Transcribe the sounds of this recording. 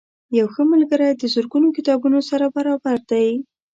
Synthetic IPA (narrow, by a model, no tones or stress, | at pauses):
jawxəmalɡəɾajd̪əzʊɾɡunokɪt̪ɑbunosaɾabaɾɑbaɾd̪̥aj